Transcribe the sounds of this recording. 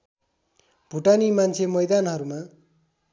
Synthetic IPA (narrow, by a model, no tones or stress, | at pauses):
b̥ʱuʈanimant͡sʰemʌjd̪anɦʌɾuma